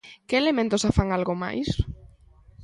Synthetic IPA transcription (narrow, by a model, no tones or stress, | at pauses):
keelemẽnt̪osafaŋalɣoma̰js